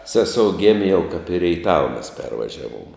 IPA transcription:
ˈsʲæːˌsoːʊ ˈɡʲeːmʲeː jɛʊ kɐp ɪ rʲɛɪˈtɑːʋɐ mʲɛs ˈpʲɛrʋɐʒʲɛʋoːm

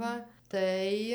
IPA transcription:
ˈʋɐ ˈtɐɪ

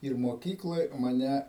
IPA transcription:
ɪr moːˈkʲiːklˠoːj mɐˈnʲæ

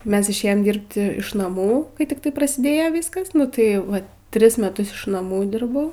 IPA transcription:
ˈmʲɛs ɪʃʲˈeːjoːm ˈdʲiːrpt ɪʃ nɐˈmuː kɐɪ tʲɪkˈtɐɪ prɐsʲɪˈdʲeːjoː ˈʋʲiːskɐs nʊ ˈtɐɪ ˈʋɐ ˈtʲrʲɪs mʲɛˈtʊs ɪʃ nɐˈmuː ˈdʲɪrbɐʊ

